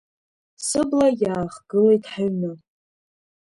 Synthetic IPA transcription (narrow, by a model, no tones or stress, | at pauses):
sɨblajaːχɡɨle̞jtʰʼħaɥmɨ